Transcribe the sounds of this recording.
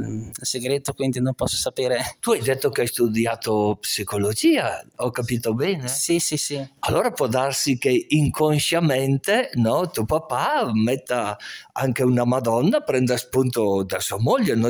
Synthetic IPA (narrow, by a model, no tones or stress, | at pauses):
lseɡɾet̪okwind̪inompɔsːo̥sapeːɾet̪uajd̪et̪ːokeajst̪ud̪jaːt̪opsikolod͡ʒiːaɔkapiːt̪obɛːnesisisialːoːɾapwɔd̪arsikeiŋkʰonʃament̪enɔt̪upapːamɛt̪ːaa̰ŋkeunamad̪ɔnːapɾɛnd̪aspunt̪od̪asuamoʎːeno